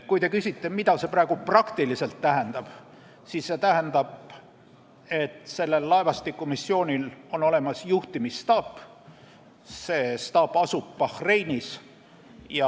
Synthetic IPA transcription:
kujt̪e̞kysʲit̪ːe̞mid̪ɑse̞pɾæeɡ̥uprɑkt̪ilise̞lt̪ːæɦend̪̥ɑb̥ | siːsːe̞t̪æɦend̪̥ɑb | e̞t̪se̞lːe̞lːɑevɑst̪ikːˑumisːio̞ːnʲilo̞no̞le̞mɑsjuht̪imist̪ɑːpː | se̞ːst̪ɑːpːɑsupːɑxre̞jnis | jɑ

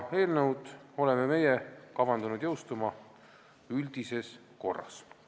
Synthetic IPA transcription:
e̞ːlnewd̪̥o̞le̞meme̞jɛkɑvɑnd̪unud̪̥jɤ̞wst̪umɑ | yld̪̥ise̞s | ko̞̰rːɑ̰s

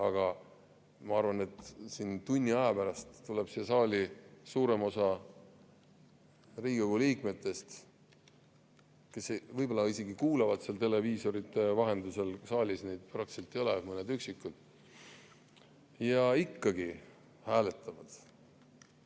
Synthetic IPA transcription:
ɑɡ̥ɑ | mɑɑrvɑne̞t̪ːˑsint̪unʲːiɑjɑpæɾɑst̪ːule̞b̥sesɑːlʲisuːɾe̞mo̞sɑ | riːɡi̥oɡ̥uliːkme̞t̪ːˑe̞st̪ | ke̞svɤjb̥o̞lːɑise̞ɡikuːlɑvɑd̪selt̪e̞le̞viːso̞ɾit̪ːˑe̞vɑɦe̞nd̪use̞lsɑːlʲisnejd̪̥̚prɑkt̪ise̞lt̪ːˑejo̞lemɤned̪yksikˑːul | jɑikːɑɡi | hæːle̞t̪ːˑɑvɑd̪̥

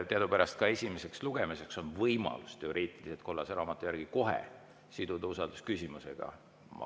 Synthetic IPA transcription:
t̪eɑd̪upæɾɑst̪̚kɑe̞sʲimeseksluɡ̥e̞mise̞kso̞nvɤjmɑ̰lust̪e̞o̞ɾʔiːt̪ˑiliset̪̚ko̞lːɑseɾɑːmɑt̪ːˑujæɾɡ̥iko̞ɦḛ | sid̪ud̪eusɑld̪̥uskysʲimusḛɡ̥ɑ̰ | mɑ̰

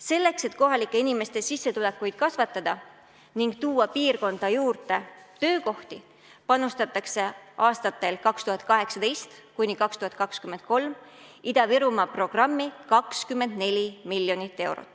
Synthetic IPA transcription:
se̞lːe̞kse̞t̪ko̞ɦɑlikːˑe̞inime̞st̪e̞sisːe̞t̪ule̞kːˑujd̪̥̚kɑsvɑt̪ːˑɑd̪̥ɑ | niŋɡ̥t̪uːɑpiːrko̞nd̪̥ɑjuːrt̪e̞t̪ø̞ːko̞ht̪i | pɑnust̪ɑt̪ːˑɑkse̞ʔɑːst̪ɑt̪ːˑe̞lkɑkst̪uhɑt̪̚ˑkɑɦe̞ksɑd̪̥e̞jst̪kunʲːikɑkst̪uhɑt̪̚kɑkskymend̪̥̚ko̞lmid̪̥ɑviɾumɑpro̞ɡ̥rɑmːikɑkskymːe̞nd̪̥ne̞lʲimilːjo̞nit̪ːe̞wɾo̰t̪ˑː

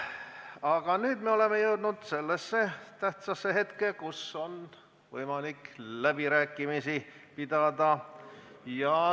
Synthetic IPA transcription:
ɑɡ̥ɑnyːd̪meo̞le̞mejɤwd̪̥nud̪̥se̞lːesːet̪æht̪sɑsːeɦe̞t̪kekuso̞n | vɤ̰jmɑliklæb̥iɾæːkːˑimisipid̪ɑd̪ɑ | jɑ

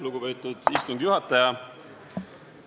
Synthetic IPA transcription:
luɡ̥upejt̪ːˑud̪̥ist̪uŋɡ̪̥juɦɑt̪ːˑɑjɑ

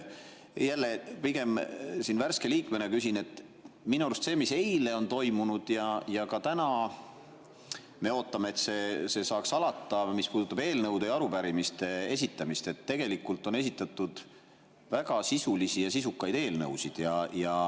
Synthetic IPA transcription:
jælːepiɡ̥e̞msinværske̞liːkme̞nekysinet̪ːˑ | minuɑɾust̪se̞ːmise̞jle̞o̞nt̪o̞jmunud̪̥jɑjɑkɑt̪ænɑ | me̞o̞ːt̪ːˑɑme̞eːt̪se̞se̞sɑːksɑlɑt̪ːˑɑmispuːd̪ut̪ːɑbe̞ːlnɤwd̪ejɑɾupæɾimist̪e̞e̞sit̪ːˑɑmist̪e̞t̪ːe̞ɡ̥e̞likːult̪ːˑo̞ne̞s̬ʲit̪ːˑɑt̪ːˑud̪̥ | væɡɑsisulisijɑsisukːˑɑjd̪̥e̞ːlnɤwsid̪̥jɑjɑ

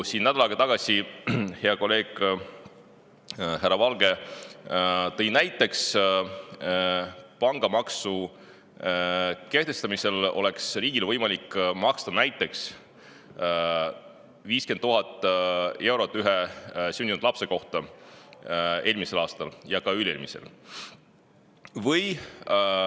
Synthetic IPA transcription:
siːnnæd̪̥ɑlɑːɡ̥ɑt̪ɑɡ̥ɑsihe̞ɑko̞lːe̞ːɡ̥ | ɦærɑvɑlɡ̥e̞ | t̪ɤ̞jnæjt̪ːˑe̞ks | pɑŋɡ̥ɑmɑksu | ke̞ht̪e̞st̪ɑmise̞lo̞̰le̞ksriːɡ̥ilvɤjmɑlikːmɑkst̪ɑnæjt̪ˑːe̞ks | viːskent̪ːuɦɑt̪ːˑe̞wɾo̞t̪ˑːyɦesyːnind̪̥lɑpse̞ko̞ht̪ɑ | e̞ːlʲmise̞lɑːst̪ɑljɑkɑylḛlmisḛl | vɤj

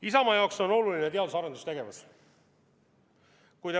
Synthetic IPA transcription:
isɑmɑjɑokso̞no̞luline̞t̪e̞ɑd̪usɑɾed̪ust̪eɡ̥e̞vɑs | kujd̪e

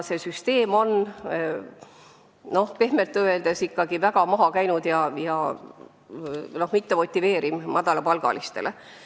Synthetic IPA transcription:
se̞syst̪e̞ːmo̞n | no̞hpe̞hme̞lt̪ːˑøe̞ld̪̥e̞sikːɑɡ̥ivæɡ̥ɑmɑɦɑkæjnud̪̥jɑjɑ | no̞hmit̪ːemo̞t̪ʲːˑive̞ːɾimmɑd̪̥ɑlɑpɑlɡ̥ɑ̰list̪e̞lʔe

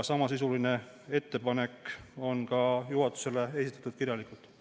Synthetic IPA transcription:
sɑmɑs̬isuline̞ | e̞t̪ːe̞pɑne̞ko̞nkɑjuɦɑt̪ːˑu̥se̞le̞e̞sit̪ːˑɑ̥t̪ud̪̥kiɾjɑlikult̪ˑ

